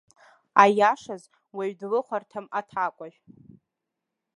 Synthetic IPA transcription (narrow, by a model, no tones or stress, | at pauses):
ajaʂaz | waɥdlɨχʷartʰɨmatʰakʷʼaʒᶣ